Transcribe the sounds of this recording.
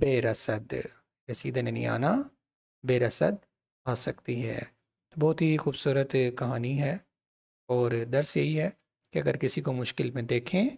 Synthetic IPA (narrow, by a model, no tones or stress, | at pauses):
beːɾɐsəd̪ | besiːd̪anenḭa̰ːna | beːɾɐsə̰d̪̚ | aːsɐkt̪iɦɛ̰ː | t̪obɔːt̪ɦixuːbsuːɾət̪kɐɦaːniɦɛː | ɔːɾd̪ɐɾsjɐɦiɦɛː | keɐɡəɾkɪsikomʊʃkɪlmẽd̪eːkʰẽː